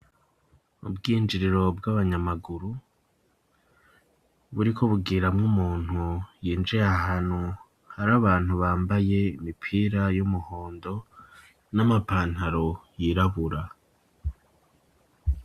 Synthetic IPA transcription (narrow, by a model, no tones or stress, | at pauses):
ṵbɡiːnd͡ʒiɾiɾo̞b̚ɡaβaɲamaɡuɾu | βuɾikʰo̞βuɡiːɾamŋumuːn̥hujiːnd͡ʒeaɦanu | haɾaβaːn̥huβaːmbaje̞imipʰiːɾajumuho̞ːndo̞ | namapaːn̥haɾo̞jiɾaβuɾa